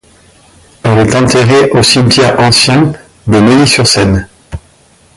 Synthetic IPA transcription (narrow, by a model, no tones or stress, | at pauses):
ɛlɛt̪ɑ̃t̪eʁeʔosimt̪jɛʁɑ̃sjɛ̃ | d̪emilisyʁsɛn